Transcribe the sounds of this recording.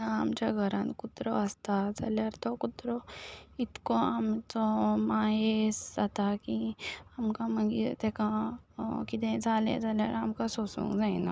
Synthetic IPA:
aəmt͡ɕaɡʱəɾãnkut̪ɾoɐst̪ad͡za̰ljaɾt̪okut̪ɾoit̪koamt͡somaɦesat̪akiɐmkaməŋɡḭt̪ɛkã | kit̪ẽd͡zaːlḛd͡zalja̰ɾamkasosṵ̃ŋɡd͡zaina̰

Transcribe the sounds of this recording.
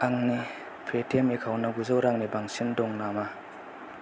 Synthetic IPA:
aŋni | pʰetʰemekʰawnɐɡuzawɾaŋnibaŋsindɔŋnama

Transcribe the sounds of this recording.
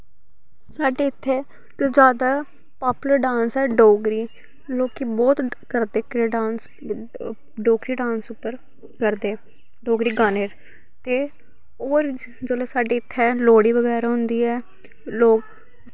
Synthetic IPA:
saːɖeːɪt̪ʰːeː | t̪oːd͡ʒjaːd̪aː | paːpʊləɾɖãːnsɛːɖoːɡɾiː | loːkibɔːt̪kəɾd̪eːkɾeːɖãːns | ɖoːkɾiːɖãːnsʊpːəɾ | kəɾd̪eː | ɖoːɡɾiːɡaːneːɾ | t̪eː | oːɾ | d͡ʒoːleːsaːɖeːɪt̪ʰːɛːloːɽiːʋəɡɛːɾaɦʊnd̪iːɛː | loːk̚

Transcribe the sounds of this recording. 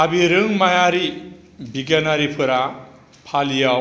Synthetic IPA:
abiɾɯŋmajaɾi | biɡanaɾipʰɯɾa | pʰalijaw

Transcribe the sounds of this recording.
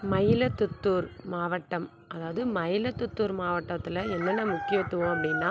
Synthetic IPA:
mɐjɪlɐt̪ːʊt̪ːuːɾmaːʋɐʈːɐm | ɐðaːʋɐðɯmɐjɪlɐt̪ːʊt̪ːuːɾmaːʋɐʈːɐt̪ːɪlɐɛnːɐnːɐmʊkːɪjɐt̪ːɯʋõːɐpːɐɽɪnːaː

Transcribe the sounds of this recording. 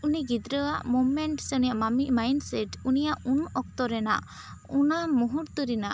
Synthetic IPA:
uniɡid̪ɾəwaʔmɔmmɛɳʈsnijaʔmamimajnsɛʈunijaʔunɔk̚t̪ɔɾɛna̰ʔ | unamuɦuʈt̪uɾina̰ʔ

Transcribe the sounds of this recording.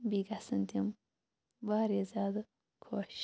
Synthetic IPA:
biɡasɨnt̪im | baːɾezaːd̪ɐ | kʰoːʃ

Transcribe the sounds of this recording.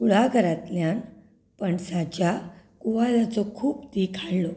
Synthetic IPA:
uɽ̤aɡʱəɾat̪ljan | pəɳsat͡ɕja | kuʋalat͡sɔkʰuːpt̪ikʰaɽlɔ

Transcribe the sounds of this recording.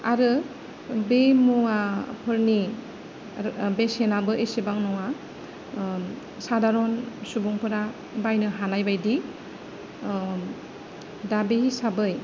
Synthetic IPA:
aɾɯ | bemuapʰɯɾni | besenabɯʔesibaŋnɔŋa | sadaɾɔnsubuŋpʰɯɾa | bajnɯɦanajbajdi | dabehisabɯj

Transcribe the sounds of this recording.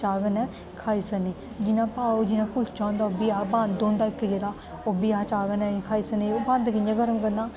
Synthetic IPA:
t͡ʃaːɡənɛː | kʰaːiːsəneː | d͡ʒɪnãːpaːod͡ʒɪnãːkʊlsʰt͡ʃãːnd̪aːobiːaːbãnd̪d̪õːnd̪aːɪkːd͡ʒeːɽaː | obiaːt͡ʃaːɡənɛ̃ːkʰaːiːsəneband̪kɪd͡ʒãɡəɾəmkəɾnaː

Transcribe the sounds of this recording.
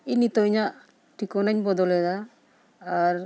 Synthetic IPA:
init̪ɔɲaʔ | ʈikɔnaɲbɔd̪ɔlɛd̪aː | ɾ

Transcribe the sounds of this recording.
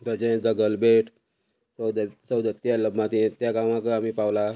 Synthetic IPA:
t̪ad͡ʑẽd͡zəɡəlbeʈʰ | sd̪səwd̪ət̪ːjaləbmãt̪ĩt̪jakamãkəamiːpawla

